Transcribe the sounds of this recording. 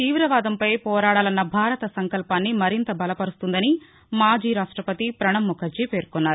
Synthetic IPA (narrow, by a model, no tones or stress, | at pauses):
t̪iːʋɾɐʋaːd̪ɐmpɐjpɔːɾaːɽaːlɐnːɐbʱaːɾɐt̪ɐsɐŋkɐlpaːnːimɐɾint̪ɐbɐlɐpɐɾust̪und̪ɐni | maːd͡ʒiːɾaːʂʈɾɐpɐt̪ipɾɐɳɐmːɔkʰɐɾd͡ʒipe̞ːɾkɔnːaːɾu